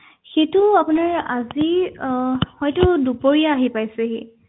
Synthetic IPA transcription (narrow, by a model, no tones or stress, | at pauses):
xetʊapʊnaɹa̰zi | xɔjtʊdupoɹijaːɦipajsɛɦe